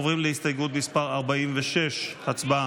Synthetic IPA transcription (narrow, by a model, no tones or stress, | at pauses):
ovʁimlehist̪ajɡut̪mispaʁaʁbaimveʃeʃhat͡sba